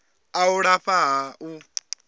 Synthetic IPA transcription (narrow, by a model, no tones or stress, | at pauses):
auɺaɸaɦaʔu